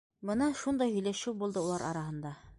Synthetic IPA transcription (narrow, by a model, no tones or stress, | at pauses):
bɤnɑʃund̪ɑjhɵ̆jlæʃuwbulˠd̪ɤulˠɑɾʔɑ̰ɾɑɦɤ̆nd̪ɑ